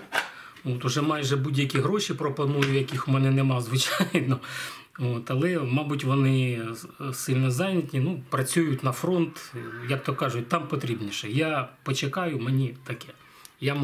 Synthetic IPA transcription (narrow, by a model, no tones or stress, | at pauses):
ot̪ʊʒɛmɑjʒɛbudʲjɐkʲiɦɾoʃipɾɔpɔnujʊjɐkʲixʊmɛnɛnɛmɑzʋɪt͡ʃɑjjnɔ | ot̪ɐlˠɛmɑbutʲʋɔnɪ | sɪlʲnɛzɑnʲɐtʲnʲinupɾɐt͡sʲujʊtʲnɐfɾɔnt̪jak̚t̪ɔkɑʒʊt̚ʲt̪ɑmpɔt̪ɾʲibnʲiʃɛjapɔt͡ʃekɑjʊmenʲit̪ɐkɛ | ja